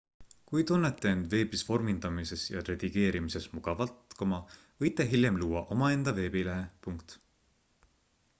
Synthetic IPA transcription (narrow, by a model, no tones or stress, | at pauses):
kujt̪unːet̪ːeend̪̥ve̞ːbisvo̞rmind̪ɑmise̞sjɑ̰ɾed̪̥iɡ̥e̞ːɾimise̞smuɡ̥ɑvɑlt̪komɑ | vɤjt̪ːˑe̞ɦiljemluːɑʔo̞mɑe̞nd̪̥ɑve̞ːbileɦepuŋkt̪